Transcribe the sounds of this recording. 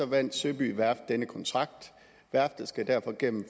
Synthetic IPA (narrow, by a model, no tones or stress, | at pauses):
ɒ̽ʋæn̰d̥søb̥y̰ːʋæɐfd̥enəkʰɒ̽nt͡sʰʁɑ̈ɡ̥̚d̥ | ʋæɐfd̥ðˠsɡ̥æd̥æɐ̰fɒ̽ɡ̥em̰m̩f